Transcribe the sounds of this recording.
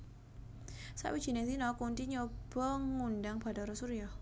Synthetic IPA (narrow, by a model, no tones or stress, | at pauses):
sa̰ʔwid͡ʒinɛsinɔkunt̪iɲɔb̥əŋundaŋb̥adaɾɔsuɾia